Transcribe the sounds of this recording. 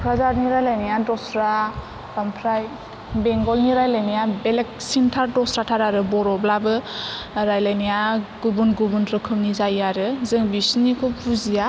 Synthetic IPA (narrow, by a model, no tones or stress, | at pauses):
pʰɾazaɾniɾajlajnijadɔsɾa | bampʰɾaj | beŋɡɔlniɾajlajnijabelek̚sintʰaɾdɔsɾatʰaɾaɾɯbɔɾɔblabɯ | ɾajlajnijaɡubunɡubunɾɯkʰɯmnizajaɾɯzɯŋbisnikʰɔpʰuzija